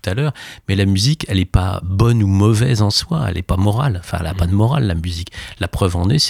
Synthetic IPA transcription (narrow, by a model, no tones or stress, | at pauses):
u̥t̪alœːʁmɛlamyzikɛlɛpa̰bɔnumɔvɛzɑ̃swa̰ɛ̰lʔɛpamɔʁal̃fɛ̰̃ɛ̰lapad̪əmɔʁalːamyziklapχœvɑ̃nɛs